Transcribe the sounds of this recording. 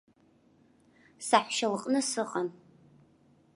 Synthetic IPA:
saħʷʃɐlqʼnɨsɨqʼɐn

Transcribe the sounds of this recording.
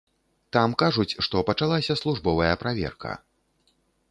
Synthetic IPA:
t̪amkaʐut͡sʲʂt̪ɔpɐt͡ʂalˠasʲɐslˠuʐbɔvɐjɐpɾavʲɛ̰rkɐ̰

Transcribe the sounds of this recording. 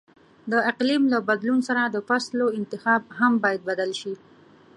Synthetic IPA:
d̪əɪqlimlabad̪lunsaɾad̪əfasloɪnt̪ɪxɑb̚hambɑjad̪̚bad̪alʃi

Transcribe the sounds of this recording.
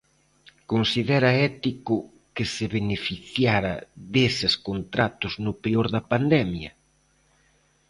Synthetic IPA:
konsiðɛɾɐɛt̪ikʊ | kɪsɪβenefiθjaɾɐ̰ðesɪskont̪ɾat̪ʊznʊpeoɾðɐpand̪ɛmjɐ

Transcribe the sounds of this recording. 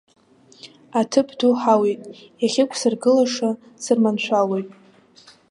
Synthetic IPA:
atʰɨpʰduħawejtʼ | jaχʲɪkʷʰsɨrɡɨlaʂa | sɨrmanʃʷʰalojtʼ

